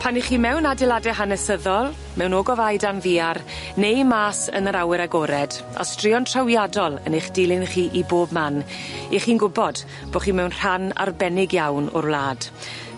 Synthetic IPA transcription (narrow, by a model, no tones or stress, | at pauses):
pʰaniχiːmɛwnadɪlˠadɛɦanɛsəðɔlˠ | mɛwnoːɡɔvajdanviːar | nejmaːsə̰nəɾawɪɾaɡɔɾɛd | ɔ̰strɪɔntʰrawjadɔlˠə̰nejχd̥ɪlɪnχiːʔiboːbman | iχiːnɡʊbɔd̥ | b̥oχiːmɛwnr̥ana̰rbɛnɪɡjawnɔ̰rvlˠaːd̥